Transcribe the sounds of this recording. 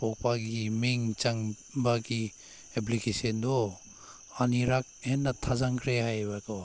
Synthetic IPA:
pɔk̚paɡimiŋt͡ʃaŋ | baɡi | epʰlikesɔndɔ | aniɾak̚enːat̪ʰazaŋkʰɾeɦajbakɔ

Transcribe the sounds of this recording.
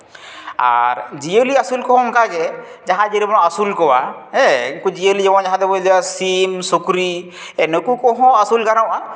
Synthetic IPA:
a̰ɾd͡ʒijoliasulkɔɦɔŋkaɡɛ | d͡ʒaɦãd͡ʒiɾebɔnɔasulkɔwaɛkud͡ʒijolid͡ʒɛbɔnd͡ʒaɦãd̪ebɔdasimsukɾi | ɛnekukɔɦɔ̃asulkaɾawʔa

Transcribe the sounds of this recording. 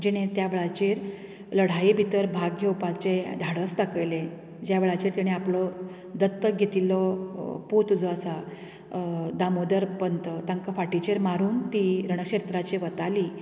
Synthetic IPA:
d͡ʑiɽ̃ẽt̪jaʋeɭat͡ɕeɾ | ləɽ̤ajibʱit̪əɾbʱaɡʱewpat͡sed̪ʱaɽəst̪akəjlẽ | d͡ʑjaʋeɭat͡ɕiːɾt̪iɽ̃eaplɔ | d̪ət̪ːəɡʱet̪ilɔpot̪ud͡zɔasa | d̪amod̪əɾpənt̪ət̪aŋkafaʈit͡ɕeɾmaɾuːnt̪iɾəɽ̃əkɕeɾt̪ɾat͡ɕeʋət̪ali

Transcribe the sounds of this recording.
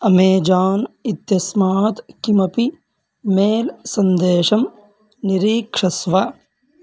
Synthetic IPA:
ɐmeːd͡ʒaːnit̪jɐsmaːt̪kimɐpi | meːlsɐnd̪eːʃɐm | niɾiːkʂɐsʋa

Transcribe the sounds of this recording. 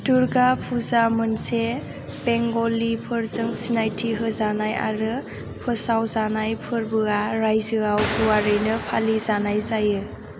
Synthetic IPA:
tuɾɡapʰuzamɯnse | b̥eŋɡɔlipʰɯɾzɯŋsinajtʰiɦɯzanaja̰ɾɯ | pʰɯsawzanajpʰɯɾbɯaɾajzɯɡawɡuwaɾɯjnɯpʰalizanajzajɯ

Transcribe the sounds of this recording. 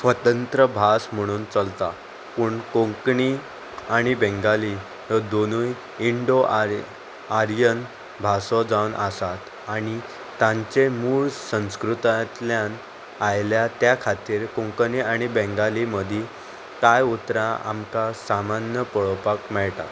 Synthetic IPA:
sʋət̪ənt̪ɾəbʱasm̤əɽ̃uːnt͡səlt̪a | puːɳkõŋkɳi | aɽ̃ibɛ̃ŋɡali | əd̪onuːj | iɳɖoʔ | aɾjən | bʱasɔd͡zawnʔəsat̪ | aɽ̃i | t̪ãɲt͡ɕemuːɭsə̃skɾut̪at̪ljãn | ajljat̪jakʰat̪iːɾkõŋkniaɽ̃ibɛ̃ŋɡaliməd̪ʱi | kajut̪ɾãa̰mkasamanjəpəɭɔpakmɛɭt̪a̰

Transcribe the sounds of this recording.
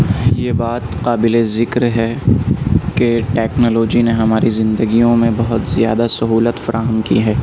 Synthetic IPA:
jeːbaːt̪qaːbɪlezɪkɾɦɛ | keʈɛːknɔːloːd͡ʒineɦɐmaːɾizɪ̃nd̪əɡijõmẽbɐɦʊt̪zija̰ːd̪asɐɦuːlət̪fɐɾʔaːɦəmkḭɦɛː

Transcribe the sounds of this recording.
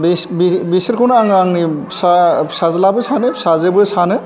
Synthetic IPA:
bisbibisiɾkʰunaŋaŋnisasazlabɯsanɯsazebusanɯ

